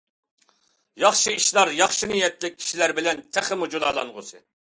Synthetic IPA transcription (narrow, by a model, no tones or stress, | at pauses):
jɑχʃɨiʃlˠɑɾjɑχʃinɨjɛt̪lɪk̚ʲʰi̥ʃilæɾbɪlɛnt̪ʰæχɪmud͡ʒulˠɑ̰lˠɑ̰nʁʊ̰sɨ